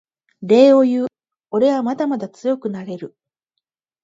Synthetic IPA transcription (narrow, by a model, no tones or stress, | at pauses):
ɾe̞ːo̞jɯː | o̞ɾe̞βamad̪amad̪at͡sɨjo̞kɯ̟naɾe̞ɾɯ̟